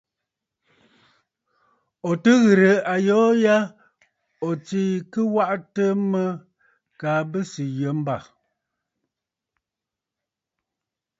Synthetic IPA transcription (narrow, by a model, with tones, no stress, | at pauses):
o˨tə˦ɣɨ˨ɾə˨a˨jɔː˦ja˦ | o˨t͡si˦˨kə˦wa˦ʔtə˦mə˦ | kaː˨˦bə˦si˨jə˨˦m˦ba˦˨